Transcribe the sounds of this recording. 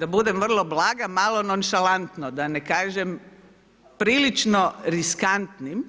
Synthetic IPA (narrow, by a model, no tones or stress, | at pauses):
d̪abud̪emʋr̩lˠo̞blˠaːɡamalˠo̞nonʃalant̪nod̪anekaːʒem | pɾiːlit͡ʃnoɾiskant̪nim